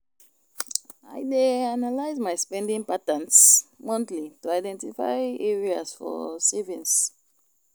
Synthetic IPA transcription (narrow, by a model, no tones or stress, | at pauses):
a̰jdeanalaɪzmajspɛ̃ndĩŋpatə̃nsmɔ̃ntlituaɪdɛ̃ntifa̰ɪɛɹiazfɔ̰sivĩns